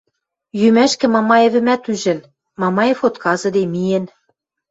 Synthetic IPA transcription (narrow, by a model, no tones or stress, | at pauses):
jymæʃkɘ̆mɑmɑĕβɘ̆mæt̪yʒɘ̆n | mɑmɑefot̪kɑzɤ̆d̪emijĕn